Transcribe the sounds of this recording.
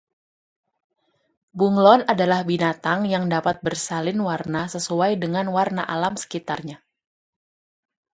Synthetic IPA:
buŋlɔnadalahbinat̪aŋjaŋdapat̪̚bərsalɪnwarnasəsuajdəŋanwarna̰ʔalamsə̥kit̪arɲa

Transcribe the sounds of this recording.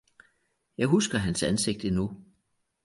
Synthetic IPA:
jɑ̈ɪɦusɡ̥ɐɦænsænse̝ɡ̥̚d̥inu

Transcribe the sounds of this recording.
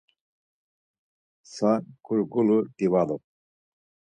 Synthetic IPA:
saɡ̥uɾɡuluɾd̪̥iwad̪ɔ

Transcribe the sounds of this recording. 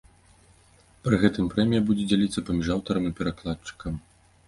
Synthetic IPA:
pɾɨɣɛt̪ɨmpɾɛmʲijɐbud͡zʲɛd͡zʲalʲit̪sːɐpɐmʲiʐawt̪ɐɾɐmipʲɛɾaklˠat͡ʂːɨ̥kɐm

